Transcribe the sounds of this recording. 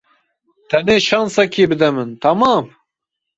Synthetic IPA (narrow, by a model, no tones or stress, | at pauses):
t̪ʰɛneːʃɑːnsɛkʰiːbɨd̪ɛmɨnt̪ʰɐmɑːm